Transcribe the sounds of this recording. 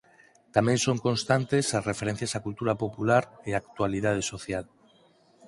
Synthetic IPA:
t̪amẽnsoŋkonst̪ant̪esasrefeɾen̟θjasakult̪uɾapopulaɾeakt̪waliðað̞esoθjal

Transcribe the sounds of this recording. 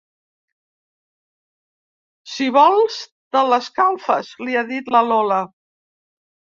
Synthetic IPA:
siβɔlˠz | d̪ələskalˠfə̰zliaðit̪ləlɔlə

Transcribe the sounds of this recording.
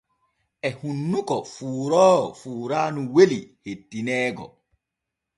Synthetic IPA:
ʔɛhunːukɔfuːɾɔːfuːɾaːnuwelihetːinɛːɡɔ̰

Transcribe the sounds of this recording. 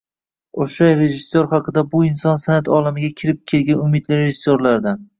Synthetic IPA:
oʃajɾe̞ʒɪsːoɾχɑqʰɨd̪abʊɪnsɒnsanat̪ʰɒlamɪɡʲakʲʰɪɾɪp̚kʲʰe̞lɡʲanʊmɪd̪lɪɾeʒɪsːoɾlaɾd̪an

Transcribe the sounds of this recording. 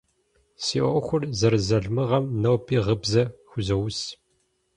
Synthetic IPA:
sḭːʔɔxʷʊrzɐɾzɐɮmɨʁɐmnɐwpʰiːʁəbzɐxʷʊzɐwʊs

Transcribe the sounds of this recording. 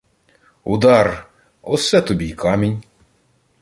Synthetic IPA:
ṵd̪ɑr | ɔ̰sɛt̪ɔbʲijkʰɑmʲinʲ

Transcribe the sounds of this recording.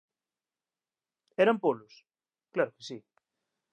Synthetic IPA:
ɛɾampolʊs | klaɾʊke̥si

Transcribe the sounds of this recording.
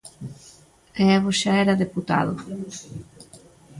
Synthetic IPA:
ɛβoʃaɛɾɐðeput̪a̰ðʊ̰

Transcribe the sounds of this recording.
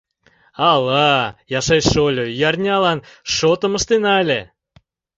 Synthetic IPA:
ɑlɑjɑʃɑjʃolʲojɑrnʲɑlɑnʃot̪ə̆məʃt̪enɑlʲe

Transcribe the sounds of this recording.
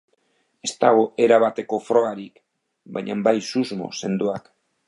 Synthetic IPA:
e̞st̪aɣ̞o̞e̞ɾaβat̪e̞ko̞fɾo̞ɣaɾik | baɲambajsuzmo̞̰se̞nd̪uak

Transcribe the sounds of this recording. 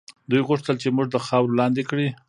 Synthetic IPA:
d̪ujɣʊʂt̪əlt͡ʃemuʐd̪əxɑwɾolɑnd̪ekɽi

